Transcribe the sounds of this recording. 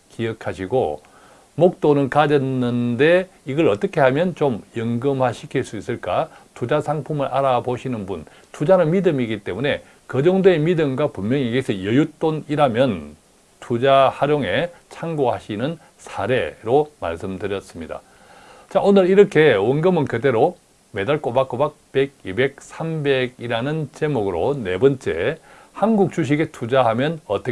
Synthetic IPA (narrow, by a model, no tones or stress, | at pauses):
kiʌkʰaɕʰiɡo̰ | mok̚t͈onɯnkad͡ʑʌnːɯnde̞ | iɡʌɾʌt͈ʌkʰe̞ɦhamjʌnt͡ɕomjʌŋɡɯmhaɕʰikʰiɭs͈uis͈ɯɭk͈atud͡ʑasʰaŋpʰumɯɾʔaɾaboɕʰinɯnbun | tud͡ʑanɯnmidɯmiɡit͈e̞mune̞ | kʌd͡ʑʌŋdeemidɯmɡwapummjʌŋiɡesʰʌjʌjut͈oniɾamjʌn | tʰud͡ʑahaɾjoŋe̞t͡ɕʰaŋɡohaɕʰinɯn | sʰaɾe̞ɾoma̰ɭs͈ɯmdɯɾjʌs͈ɯmɲida̰ | t͡ɕaʔonɯɭiɾʌkʰe̞wʌŋɡɯmɯnkɯde̞ɾo | me̞daɭk͈obak͈obak̚pe̞ɡ̚ibe̞k̚sʰambe̞ɡiɾanɯnt͡ɕe̞moɡɯɾo̰ne̞bʌnt͡ɕ͈e̞̰ | hanɡuk̚t͡ɕ͈uɕ̬ʰiɡe̞tʰud͡ʑahamjʌnʌt͈ʌ